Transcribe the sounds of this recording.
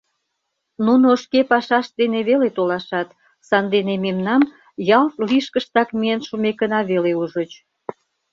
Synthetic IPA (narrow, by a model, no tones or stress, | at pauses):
nunoəʃkepɑʃɑʃd̪eneβelet̪olɑʃɑt̪ | sɑnd̪enememnɑm | jɑlt̪liʃkəʃt̪ɑkmienʃumekənɑβeleuʒət͡ɕ